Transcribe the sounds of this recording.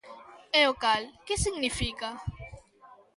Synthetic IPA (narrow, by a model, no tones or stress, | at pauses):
eokalkesiɣnifika